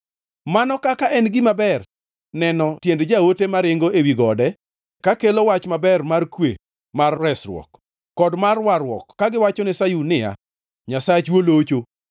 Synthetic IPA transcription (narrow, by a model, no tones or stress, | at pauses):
manɔkakaʔɛnɡɪmabɛr | nɛnɔtjendd͡ʒawotemaɾɪŋɡoewiɡɔdɛ | kakelowat͡ʃmabɛrmarkwḛ | marːɛsɾwɔ̰kː | ɔdmarwarwɔ̰kːaɡɪwat͡ʃɔnɪsajunɪa̰ | ɲasajt͡ʃwolot͡ʃo